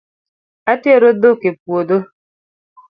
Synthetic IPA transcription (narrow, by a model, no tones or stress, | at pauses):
atieɾodokep̚uodo